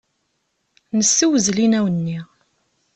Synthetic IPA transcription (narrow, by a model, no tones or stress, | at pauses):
nəsːiwəzlinæwənːi